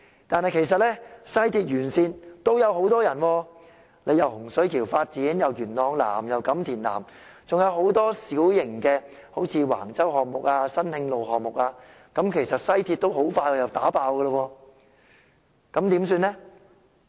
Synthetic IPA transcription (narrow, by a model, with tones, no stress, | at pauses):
t̪aː˨˧nhɐ˨jkʰe˨˩js̬ɐ˨t̚lɛː˥sɐ˥jt̪ʰiː˧t̚jyː˨˩nsiː˨nt̪o˥wjɐ˨˧wɦo˨˥wt̪ɔː˥jɐ˨˩nwɔː˧ | le˨˧jɐ˨whʊ˨˩ŋsɵ˨˥kʰiː˨˩wfaː˧t̚t͡siː˨˥njɐ˨wjyː˨˩nlɔː˨˧ŋla̰ː˨˩mjɐ˨wkɐ˨˥mt̪ʰiː˨˩nla̰ː˨˩m | t͡sʊ˨ŋjɐ˨˧wɦo˨˥wt̪ɔː˥siː˨˥wjɪ˨˩ŋkɛː˧ | ho˨˥wt͡sʰiː˨˧wa̰ː˨˩ŋt͡sɐ˥whɔː˨k̚mʊ˨k̚aː˧sɐ˥nhɪ˧ŋlo˨wɦɔː˨k̚mʊ˨k̚aː˧ | kɐ˨˥mkʰe˨˩jsɐ˨t̚sɐ˥jt̪ʰiː˧t̚t̪o˥wɦo˨˥wfaː˧jwɔː˧jɐ˨wt̪aː˨˥paː˧wkəː˧lə˧wɔː˧ | kɐ˨˥mt̪iː˨˥msyː˧nlɛ˥